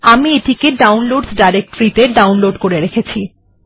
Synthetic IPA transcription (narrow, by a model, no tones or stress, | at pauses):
amieʈikeɖawnloɖsɖajɾek̚ʈoɾit̪eɖawnloɖkoɾeɾekʰet͡ɕʰi